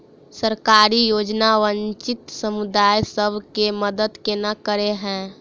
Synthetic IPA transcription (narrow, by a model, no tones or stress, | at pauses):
səɾkaːɾijoːd͡ʒnaʋənt͡ʃɪt̪səmud̪aːjsəbʱkeməd̪əd̪kenakəɾeɦɛ̃ː